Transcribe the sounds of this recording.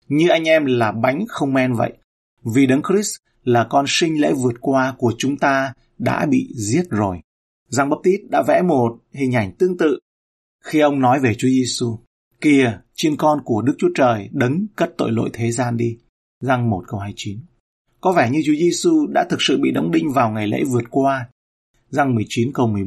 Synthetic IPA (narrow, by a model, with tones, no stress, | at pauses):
ɲɨ˧ʔa˧jŋ̟ʔɛ˧mlaː˨˩ɓa˨˦jŋ̟xə˧wŋ͡mmɛ˧nvə̰˧˨jʔ | vi˨˩ɗə˨˦ŋkɾi˦˥s | laː˨˩kɔ˧nsï˧ŋ̟lḛ˧˥vɨ˨˩ət̚kwaː˧ku˧˩ət͡ɕʊ˨˦ŋ͡mt̪aː˧ | ɗa̰ː˧˥ɓḭ˧˨zi˦˥ət̚zo˨˩j | za˧ŋɓə˦˥p̚t̪i˦˥t̚ɗa̰ː˧˥vɛ̰˧˥mo˨˩t̚hï˨˩ŋ̟ʔa˨˧˩jŋ̟t̪ɨ˧əŋt̪ɨ̰˧˨ | xi˧ʔə˧wŋ͡mnɔ˨˦jve˨˩t͡ɕu˨˦əze˧su˧ | ki˧˩ət͡ɕi˧nkɔ˧nku˧˩əɗɨ˦˥k̚t͡ɕu˨˦ə˦t͡ɕəː˨˩jɗə˨˦ŋkə˦˥t̚t̪o̰˧˨jlo̰˧˨jt̪ʰe˨˦zaː˧nɗi˧ | za˧ŋmo˨˩t̚kə˧whaː˧jt͡ɕi˨˦n | kɔ˨˦vɛ˧˩ɲɨ˧t͡ɕu˨˦əze˧su˧ɗa̰ː˧˥t̪ʰɨ˨˩k̚sɨ̰˧˨ɓḭ˧˨ɗə˨˦wŋ͡mɓï˧ŋ̟vaː˨˩wŋa˨˩jlḛ˧˥vɨ˨˩ət̚kwaː˧ | za˧ŋmɨ˨˩əjt͡ɕi˨˦nkə˧wmɨ˨˩əj